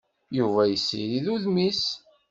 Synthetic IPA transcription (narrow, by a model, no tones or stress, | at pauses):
juvæjəsːḭɾiðuðmis